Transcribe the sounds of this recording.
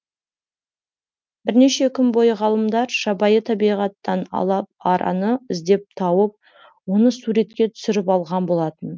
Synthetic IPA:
b̥ɪɾne̞ʃe̞kʲʰʏnbo̞jəʁɑlˠəmd̪ɑɾʒ̥ɑbɑjət̪ʰɑbijʁɑt̪ːɑnɑ̰lˠɑp̚ɑɾɑ̰nəɪzd̪e̞p̚t̪ʰɑwəp̚ | wo̞nəsuɾe̞t̪̚kʲe̞t̪ʰʏ̥sɪɾɪpɑlˠʁɑnbo̞lˠɑt̪ən

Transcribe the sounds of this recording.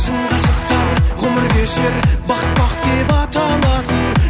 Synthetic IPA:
səɴqɑʃəqt̪ɑɾʁʰɵmɪɾɡʲeʃeɾbɑqət̪̚bɑqt̪̚k̪ʲepɑt̪ɑlˠɑɾən

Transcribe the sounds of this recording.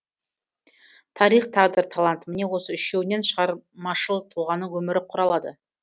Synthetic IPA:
t̪ʰɑɾijχt̪ʰɑʁd̪əɾt̪ʰalˠant̪mɪne̞wo̞səʏʃewne̞nʃəʁɑɾmɑʃəlˠt̪ʰulˠʁɑnːəwɵmɪɾɪqʰʊɾɑlˠɑd̪ə̰

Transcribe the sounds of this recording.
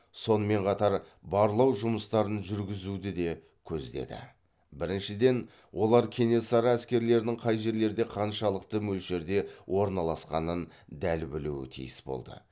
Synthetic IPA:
so̞nəme̞ɴqʰɑt̪ɑɾbɑɾlˠɑwʒʊməst̪ɑɾənʒʏɾɡʲɪzud̪ɪd̪e̞ | kʲʰɵzd̪e̞̰d̪ɪ̰ | bɪɾɪnʃɪd̪e̞n | wʔo̞lˠɑɾkʲʰe̞ne̞sɑɾɑæskʲe̞ɾle̞ɾnɪŋqʰɑjʒe̞ɾle̞ɾd̪e̞qʰɑnʃɑlˠəqt̪əmɵlʃe̞ɾd̪e̞wʔo̞ɾnɑlˠɑsqɑnən | d̪ælbɪluwɪ̰t̪ʰḭjɪsbo̞̰lˠd̪ə̰

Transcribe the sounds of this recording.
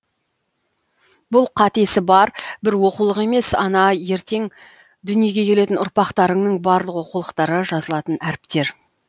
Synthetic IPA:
bʊlˠqʰɑt̪e̞sɪbɑɾbɪɾwo̞qulˠəqe̞me̞sɑnɑje̞ɾt̪e̞ŋ | d̪ʏnije̞ɡʲe̞kʲʰe̞le̞t̪ɪnʊɾpɑqt̪ɑɾəŋnəɴbɑɾlˠəqwo̞qulˠəqt̪ɑɾəʒɑzəlˠɑt̪ənæɾɪpt̪e̞ɾ

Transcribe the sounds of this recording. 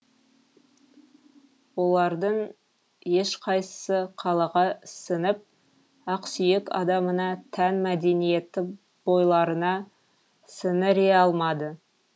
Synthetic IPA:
wo̞lˠɑɾd̪əɴ | jeʃqʰɑjsə̥səqʰɑlˠɑʁɑsənɪp̚ | ɑqsʏjekɑ̰d̪ɑmənɑt̪ʰænmæd̪e̞nije̞t̪ɪ | b̥o̞jlˠɑɾənɑ | sənɪɾeɑlˠmɑd̪ə

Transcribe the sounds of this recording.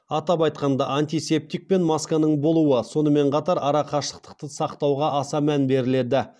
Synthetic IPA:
ɑt̪ɑpɑjt̪̚qɑnd̪ɑʔant̪ijse̞p̚t̪ik̚pe̞nmɑskanəɴbo̞lˠuwəso̞nəme̞ɴqʰɑt̪ɑɾɑɾɑqʰɑʃlˠə̥t̪ə̥q̚t̪əsɑqt̪ɑwʁɑʔɑsɑmænbe̞ɾɪle̞d̪ɪ

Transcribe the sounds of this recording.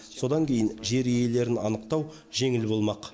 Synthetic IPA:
so̞d̪ɑŋkʲʰe̞jɪnʒe̞ɾije̞le̞ɾɪnɑnəqt̪ɑw | ʒe̞ŋɪlbo̞lˠmɑq

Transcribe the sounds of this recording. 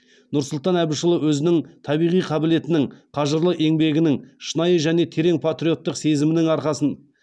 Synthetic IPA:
nʊɾsʊlˠt̪ɑnæbɪʃəlˠəwɵzɪnɪŋt̪ʰɑbijʁijqʰɑbɪle̞t̪ɪnɪŋqʰɑʒəɾlˠəʔe̞ŋbe̞ɡʲɪnɪŋʃənɑjəʒæne̞t̪ʰe̞ɾe̞ŋpʰat̪ɾʲio̞t̪ːəqse̞zɪmɪnɪŋɑɾqɑsən

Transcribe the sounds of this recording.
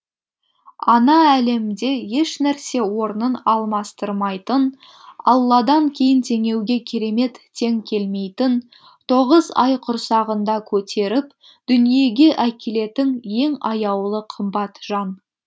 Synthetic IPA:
ɑnɑæle̞md̪e̞je̞ʃnæɾse̞wo̞ɾənənɑlˠmɑst̪əɾmɑjt̪ən | ɑ̰lˠːɑd̪ɑŋkʲʰe̞jɪnt̪ʰe̞ŋe̞wɡʲe̞kʲʰeɾe̞me̞t̪ʰːe̞ŋkʲʰe̞lme̞jt̪ɪn | t̪ʰo̞ʁəzɑjqʰʊɾsɑʁənd̪ɑkʲʰɵt̪ʰe̞ɾɪp | d̪̥ʏnije̞ɡʲe̞ʔækʲele̞t̪ɪŋje̞ŋɑjɑwlˠəqʰəmbɑt̪ʒ̥ɑn

